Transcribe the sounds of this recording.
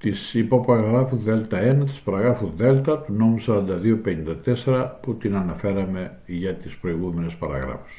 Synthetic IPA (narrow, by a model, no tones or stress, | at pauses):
t̪isipopɐɾɐɣɾɐfuðe̞lt̪ɐe̞nɐt̪i̥spɐɾɐɣɾɐfuðe̞lt̪ɐt̪uno̞musɐɾɐnd̪ɐðio̞pe̞nind̪ɐt̪e̞se̞ɾɐput̪inɐnɐfe̞ɾɐme̞ | ʝɐt̪ispɾo̞iɣume̞nespɐɾɐ̰ɣɾɐ̰fu̥s